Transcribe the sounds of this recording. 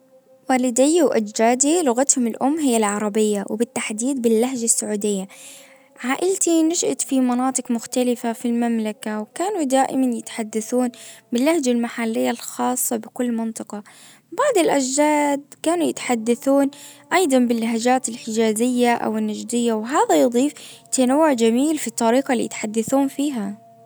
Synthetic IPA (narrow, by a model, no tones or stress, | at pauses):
waːlɪd̪ɪjːwʔa̰d͡ʒd͡ʒaːd̪ilʊɣat̪hʊmɪlʔʊmːɦɪjːalʕɑɾˤɑbɪjːawbɪt̪ːaħd̪iːd̪̚bɪlːaɦd͡ʒasːaʕuːd̪ɪjːa | ʕaːʔɪlt̪inaʃʔat̪fimɑnɑːt̪ˤɨqmʊxt̪alɪfafilmamlakawkaːnud̪aːʔɪmanjɪt̪ħad̪ːaθuːnbɪlːahd͡ʒalmaħalːɪjːalxɑːsˤːɑbɪkʊlːmɪnt̪ˤɨqɑ | baʕd̪ˤɪlʔaʒd͡ʒaːd̪̚kaːnujɪt̪ħad̪ːaθuːnʔɑjd̪ˤɑnbɪlːaɦad͡ʒaːt̪ɪlħɪd͡ʒaːzɪjːaʔa̰wɪnːad͡ʒd̪ɪjːawɦaːðajʊd̪ˤiːft̪anawːʊʕd͡ʒamiːlfit̪ˤːɑɾiːqɑlḭjɪ̰t̪ħad̪ːaθuːnfiːɦa